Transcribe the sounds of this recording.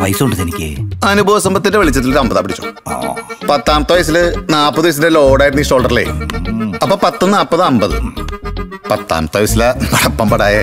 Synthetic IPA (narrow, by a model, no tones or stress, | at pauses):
ʋɐjsuɳɖɨt̪ɐnikʲːɨ̰ɐnubʱoːʋɐsɐmbɐt̪ːindeʋɐɭit͡ɕːɐt̪ːiloɾɐmbɐðaːpːɐɽit͡ɕːo̰ː | pɐt̪ːaːmɐt̪ɨʋɐjs̬ilɨnaːpːɐðɨʋɐjs̬indeloːɽaːjiɾunːiso̞ːlɖɐrilḛuɐpːoːpɐt̪ːonːɨaːpːɐðɨɐmbɐðɨ | pɐt̪ːa̰ːmɐt̪ːʋɐjɐsilɐpɐɽɐpːɐmbɐɽaːjɐ